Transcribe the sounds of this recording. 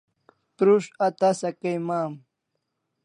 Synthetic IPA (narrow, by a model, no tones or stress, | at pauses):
t̪ɾuʂɐt̪asɐkejmaːm